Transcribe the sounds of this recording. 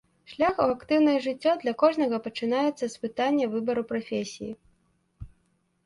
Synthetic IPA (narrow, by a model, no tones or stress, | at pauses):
ʂlʲaxuakt̪ɨwnɐjɛʐɨt͡sʲːɔd̪lʲɐkɔʐnɐɣɐpɐt͡ʂɨnajɛt̪sːɐspɨt̪anʲːɐvɨbɐɾupɾafʲesʲijḭ